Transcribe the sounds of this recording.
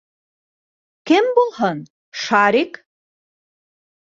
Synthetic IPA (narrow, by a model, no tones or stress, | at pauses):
kɘmbulˠɦɤn | ʃɑɾik